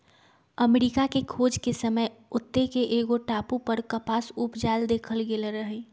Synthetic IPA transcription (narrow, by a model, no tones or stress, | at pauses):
əmeɾikakekʰoːd͡ʒkesəməjʊt̪ːekeʔeːɡoʈaːpupəɾkəpaːsupd͡ʒaːld̪eːkʰəlɡeleɾəɦe